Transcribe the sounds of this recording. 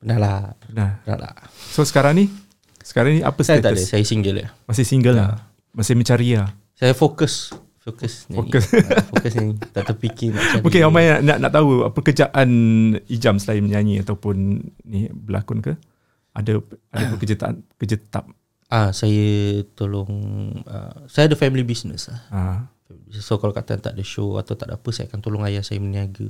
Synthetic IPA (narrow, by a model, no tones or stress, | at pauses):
pənalaənana̰la̰sosə̥kaɾaŋni | sə̥kaɾaŋnia̰pəset̪aəssajəsiŋɡələ̰mas̬ɪhsiŋɡəla | masɪhmət͡ʃaɾia | sajəfokəs | fokəsɲfokəsfokəsit̪aʔt̪əpikɪabokeamajaʔnaʔna̰ʔt̪aɦuəpəkəd͡ʒaʔanid͡ʒamsəlaiməɲãɲiat̪awpʊnnibəla̰kʊnkə | ʔadəadapəkəd͡ʒat̪a̰ʔa̰nkəd͡ʒət̪a̰p̚ | asajət̪olʊŋə̰sajadəfɛmilibisnə̰slaha | ɛliissokalakat̪a̰nt̪aʔdəʃoa̰t̪awt̪aʔda̰pəsajakant̪olʊŋajasajəməniaɡə